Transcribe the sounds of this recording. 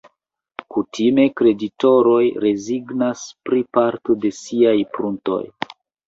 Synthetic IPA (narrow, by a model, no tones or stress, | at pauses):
kutime̞kɾe̞dito̞ɾo̞jɾe̞ziɡnaspɾipaɾto̞de̞siajpɾunto̞̰j